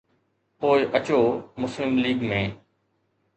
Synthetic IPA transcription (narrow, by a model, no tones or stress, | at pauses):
poːɪʔət͡ɕoːmʊslɪmliːɡmẽː